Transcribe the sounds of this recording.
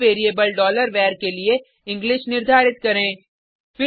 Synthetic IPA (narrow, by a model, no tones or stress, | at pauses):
eːɾiebəlɖɔːləɾʋɛːɾkelie | ɪ̃ŋɡlɪʃnɪɾd̪ʱaːɾɪt̪̚kɐɾẽː | fɪ